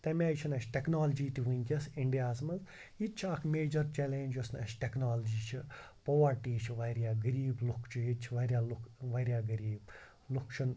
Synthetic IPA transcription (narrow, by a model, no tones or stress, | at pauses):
t̪ɐmiaːjt͡ʃʰinɐt͡ʃʰʈeknaːld͡ʒiːt̪iʋunʲkʲɐsiɳɖijaːsmɐnz | it̪t͡ʃʰɐkʰmeːd͡ʒɐɾt͡ʃɛːleːɲd͡ʒɐsnɐʃʈeknaːlɐd͡ʒiːt͡ʃʰi | poʋɐɾʈiːt͡ʃʰiʋɐɾijaːɡɐɾiːblukʰt͡ʃʰujit͡ʃʰiʋɐɾʲjaːlukʋɐɾjaːɡɐɾiːb̚ | lukʰt͡ʃʰun